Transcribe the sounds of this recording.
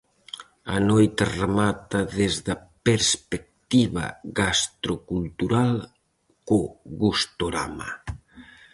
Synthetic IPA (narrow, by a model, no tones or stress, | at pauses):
ɐ̰nojt̪aremat̪ɐðezðɐpeɾspek̚t̪iβɐ̰ɣast̪ɾokult̪uɾal | koɣust̪oɾa̰ma̰